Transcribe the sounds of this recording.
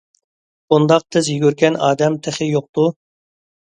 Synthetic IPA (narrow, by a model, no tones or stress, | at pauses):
und̪ɑq̚t̪ʰɪzjyɡʲyɾɡʲɛnɑːd̪ɛmt̪ʰɪχɪjoq̚t̪u